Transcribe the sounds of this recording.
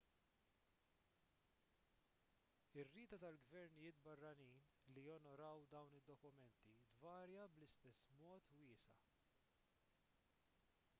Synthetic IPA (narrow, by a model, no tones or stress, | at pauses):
ɪrːɪːt̪ɐt̪ɐlɡvɛɾnɪjɪːt̪̚bɐrːɐniːn | lijɔnɔɾɐwd̪ɐwnɪd̪ːɔkʊmɛnt̪id̪vɐːɾjɐblɪst̪ɛsːmɔːt̪wɪːsɐ̰